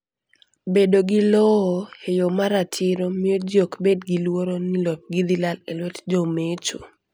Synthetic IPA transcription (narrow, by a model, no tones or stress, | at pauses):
bedoɡilɔɔejomaɾatʰɪɾomiod͡ʒjokbedɡilwoɾonilɔp̚ɡid̪ilalelwɛtd͡ʒomet͡ʃo